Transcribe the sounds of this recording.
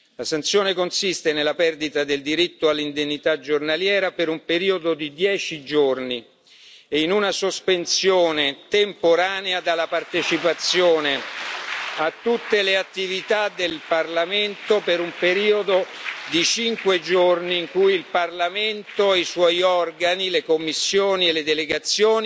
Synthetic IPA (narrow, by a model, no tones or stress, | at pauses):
lasant̪sːjoːnekonsist̪enelːapɛrd̪it̪ad̪eld̪iɾit̪ːoalːind̪enːit̪ad͡ʒornaljɛːɾapeɾumpeɾiːod̪od̪id̪jɛːt͡ʃid͡ʒorni | einunasospensjoːnet̪empoɾaːnead̪alːapart̪et͡ʃipat̪sːjoːne | at̪ːut̪ːeleat̪ːivit̪ad̪elparlament̪opeɾumpeɾiːod̪od̪it͡ʃiŋkwed͡ʒorniːŋkujilparlament̪oiswɔjɔrɡanilekomːisːjoːnieled̪eleɡat̪sːjoːn